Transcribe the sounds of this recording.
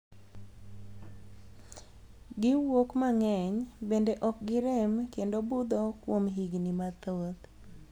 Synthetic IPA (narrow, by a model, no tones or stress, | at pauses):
ɡɪwokmaŋɛɲbendeʔɔk̚ɡɪɾɛmkendobud̪okwomɦiɡnimat̪od̪